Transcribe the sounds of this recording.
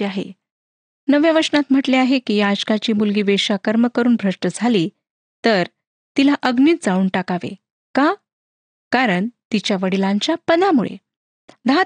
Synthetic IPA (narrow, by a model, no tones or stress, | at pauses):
aɦḛ | nəʋjaʋəɾsnat̪m̤əʈleaɦekiːjaːd͡ʑkat͡ɕiːmulɡiːʋeɕakəɾməkəɾuːnbʱɾəʂʈəd͡zʱaliː | t̪əɾ | t̪ilaʔəɡniːt̪̚d͡zauːɳʈakaʋḛ | ka | kaɾəɳt̪it͡ɕjaʋəɽilãɲt͡ɕjapəd̪amuɭḛ | d̪aɦ